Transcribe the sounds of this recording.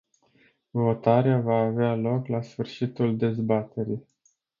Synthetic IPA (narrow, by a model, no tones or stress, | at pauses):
vo̞t̪aɾeavaːvealo̞klasfɨrʃit̪uld̪e̞zbat̪e̞ɾij